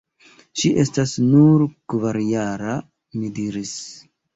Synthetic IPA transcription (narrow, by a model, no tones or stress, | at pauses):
ʃiʔe̞stasnuɾkvaɾjaɾa | midiɾis